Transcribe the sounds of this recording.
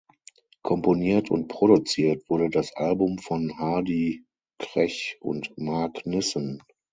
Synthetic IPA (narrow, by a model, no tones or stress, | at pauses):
kʰɔmponiːɐtʰʊ̰nt̚pʁ̥oɾut͡siːɐtv̥ʊɐɾədasʔalbʊmfɔnhaːdi | kʁ̥ɛçʔʊ̰ntmaɐknɪsən